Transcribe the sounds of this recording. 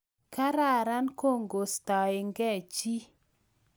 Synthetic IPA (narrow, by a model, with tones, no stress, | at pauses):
ka˦ɾa˦˨ɾa˦nko˦˨ŋɡo˨st̪a˨e˨ŋɡɛ˦˨t͡ʃi˦